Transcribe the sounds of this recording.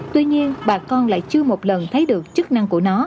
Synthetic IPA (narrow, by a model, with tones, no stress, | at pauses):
t̪wi˧ɲi˧ənɓaː˨˩kɔ˧nla̰ː˧˨jt͡ɕɨ˧əmo˨˩t̚lə˨˩nt̪ʰə˨˦jɗɨ˨˩ək̚t͡ɕɨ˦˥k̚na˧ŋku˧˩ənɔ˨˦